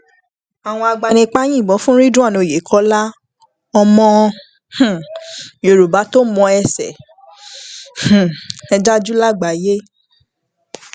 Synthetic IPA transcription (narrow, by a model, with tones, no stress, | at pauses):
a˨w̃ɔ̃˧a˧ɡ͡ba˧nĩ˧k͡pa˦jĩ˦˨bɔ̃˨˦fũ˦ɾi˦dũ˦a˦˨nõ˨˧˨je˨˦kʰɔ˨˦la˦ | ɔ˧mɔ̃˦˧ | h̩˨jo˨ɾu˨ba˨˦to˦mɔ̃˧ɛ˧sɛ̰˨ | ɛ˧d͡ʒa˦d͡ʒu˦la˦ɡ͡ba˨je˦